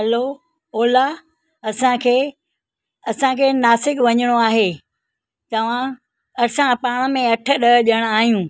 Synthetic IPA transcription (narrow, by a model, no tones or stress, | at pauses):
ɦɐlo | oːla | ɐsãkʰeː | ɐsãkʰeːnaːsɪkʋɐɲəɽ̃oaːɦeː | t̪ɐʋ̤ã | ɐsãpaːɽ̃ə̆mẽɐʈʰə̆ɗɐʄəɽ̃aːɦijũː